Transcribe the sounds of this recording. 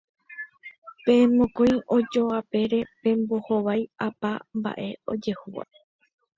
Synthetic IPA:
pẽ̞mõkõj̃ʔo̞d͡ʒoape̞ɾe̞pẽ̞mboho̞ʋajapamba̰ʔe̞o̞̰d͡ʒe̞huʋa̰

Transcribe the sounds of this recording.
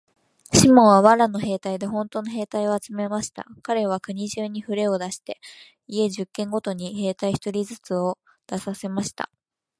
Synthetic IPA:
ɕimõ̞ɰβaβaɾano̞he̞ːt̪aid̪e̞ɦõ̞nt̪o̞ːnoɦe̞ːt̪aio̞at͡sɨme̞maɕi̥t̪a̰kaɾe̞β̞akɯ̟ɲ̟iʑɨːɲ̟iɸɯ̟ɾe̞o̞d̪aɕi̥t̪e̞ | ie̞ʑɨkːẽ̞ŋɡo̞t̪o̞ɲ̟ihe̞ːt̪aiçi̥t̪o̞ɾʲizɨt͡sɨo̞ | d̪̥asase̞maɕi̥t̪a̰

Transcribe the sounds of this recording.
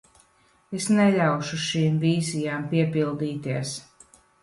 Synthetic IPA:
esnɛʎʲawʃuʃiːmviːzijaːmpiɛpilˠd̪iːt̪iɛs

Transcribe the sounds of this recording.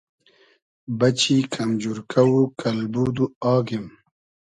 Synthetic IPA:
bɐt͡ɕikʰɐmd͡ʒuɾkʰawukʰalbuːd̪uɑːɡim

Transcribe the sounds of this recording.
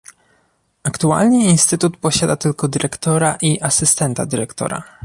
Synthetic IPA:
akt̪ua̰lɲɘinst̪ɘt̪ut̪pɔɕad̪at̪ɘlkɔd̪ɘɾɛkt̪ɔɾaʔiʔasɘst̪ɛnt̪a̰d̪ɘɾɛkt̪ɔ̰ɾa̰

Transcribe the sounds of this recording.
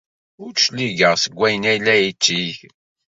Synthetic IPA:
ʊɾʃliɡəʁsəɡʷːæjənæjlːæjit͡ʃːiç

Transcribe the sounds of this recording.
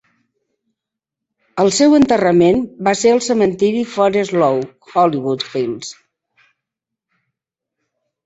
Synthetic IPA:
əlˠsɛwənt̪ərəmenbaseəlˠsəmənt̪iɾifɔɾəzlɔw | xɔliβut̪films

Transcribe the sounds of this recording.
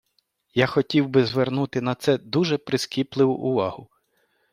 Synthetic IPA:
jaxɔtʲiwbɪzʋernut̪ɪnɐt̪sɛd̪uʒɛpɾɪskʲiplˠɪʋʊ̰ʔʊʋɑhʊ

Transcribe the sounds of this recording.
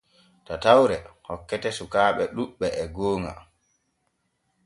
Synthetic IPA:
tatawɾɛhɔkːɛtɛsukaːɓɛɗuɓːɛɛɡoːŋa̰

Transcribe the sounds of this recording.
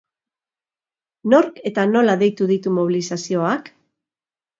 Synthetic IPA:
no̞ɾke̞t̪ano̞laðe̞jt̪uðit̪umo̞β̞illisasio̞ak

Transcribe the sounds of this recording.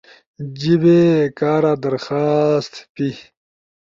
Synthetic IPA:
d͡ʑibekaːɾad̪ɐɾxaːst̪pi

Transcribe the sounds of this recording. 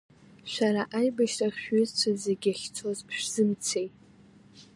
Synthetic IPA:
ʃʷaɾaʔajbaʃraχʲɥʏzt͡ɕʷʰazeɡʲaχʲt͡sʰo̞zʰʃᶣz̥ɨmt͡sʰe̞jtʼ

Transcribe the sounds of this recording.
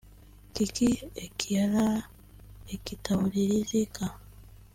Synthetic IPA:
kikiekʰijala | ekitawuliɾizika

